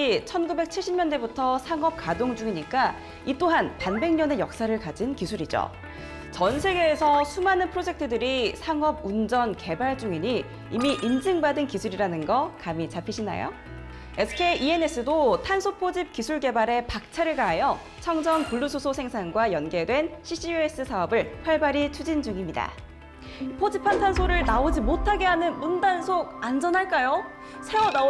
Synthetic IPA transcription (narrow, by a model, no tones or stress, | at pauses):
it͡ɕʰʌnɡube̞k̚t͡ɕʰiɭɕ͈ʰimɲʌndebutʰʌsʰaŋʌp̚kadoŋd͡ʑuŋiɲik͈a | it͈oɦanpanbe̞ŋɲʌne̞jʌk̚s͈aɾɯɭkad͡ʑinkisʰuɾid͡ʑo̰ | t͡ɕʌnsʰe̞ɡe̞ːsʰʌsʰumanɯnpʰɯɾod͡ʑe̞k̚tʰɯdɯɾisʰaŋʌbund͡ʑʌnke̞baɭd͡ʑuŋiɲi | imiʔind͡ʑɯŋbadɯnkisʰuɾiɾanɯnɡʌkamit͡ɕapʰiɕʰina̰jo̰ | esʰɯ̥kʰeʔie̞ne̞s͈ɯdotʰansʰopʰod͡ʑip̚kisʰuɭɡe̞baɾe̞pak̚t͡ɕʰaɾɯɭɡaɦajʌ | t͡ɕʰʌŋd͡ʑʌnpuɭːusʰosʰosʰe̞ŋsʰanɡwajʌnɡe̞dwe̞nɕʰiɕ͈ʰiue̞s͈ɯsʰaʌbɯɭpʰaɭbaɾit͡ɕʰud͡ʑind͡ʑuŋimɲida̰ | ipʰod͡ʑipʰːantʰansʰoɾɯɭnaod͡ʑimotʰaɡe̞ɦanɯnmundansʰoɡand͡ʑʌnaɭk͈ajo | sʰe̞wʌna